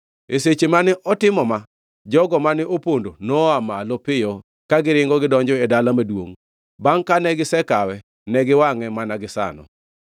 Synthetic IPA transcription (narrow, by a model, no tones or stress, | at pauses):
eset͡ʃemanɪʔɔtɪmɔma | d͡ʒɔɡɔmanɪʔopondonɔamalɔpɪjɔ | kaɡɪɾɪŋɡɔɡɪdɔɲd͡ʒɔedalamadwo̰ŋ | baŋkanɛɡɪsɛkawɛ | nɛɡɪwaŋɛmanaɡɪsa̰nɔ̰